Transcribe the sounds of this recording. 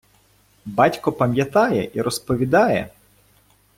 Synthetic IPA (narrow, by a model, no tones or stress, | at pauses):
bɑtʲkɔpɐmʲjɐt̪ɑjɛʔiɾɔspɔʋʲid̪ɑjɛ